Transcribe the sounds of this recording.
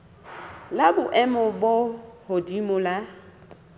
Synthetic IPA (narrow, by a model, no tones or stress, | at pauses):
labʊʔɛmɔbʊhodimʊla